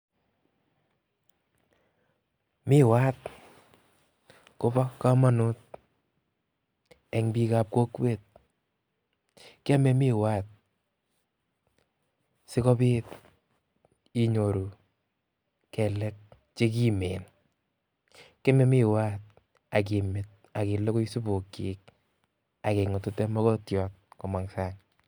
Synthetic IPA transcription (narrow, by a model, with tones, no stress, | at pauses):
mɪ˦wa˦t̪̚ | kʊ˦bɔ˦ka˦ma˦nʊ˦t̚ | ɛ˨ŋbi˧ka˨p̚ko˦kwe˦˨t̪̚ | ka˦mɛ˦mi˦wa˦t̪̚ | sɪ˦kɔ˦piː˦t | i˦ɲo˨ɾu˨ | kɛ˨lɛ˦k̚ | t͡ʃe˦k̬i˦me˨n | kɛ˦me˦mi˦wa˦t̚ | a˨k̬i˨mɪ˨t̚ | a˨ki˨lɔ˦ko˦i˦su˦bo˨ki˨k̚ | a˨ke˨ŋʊ˨tʊ˦tɛ˦mɔ˦kɔ˦tjɔː˦t̚kɔ˨ma˨ŋsa˦ŋ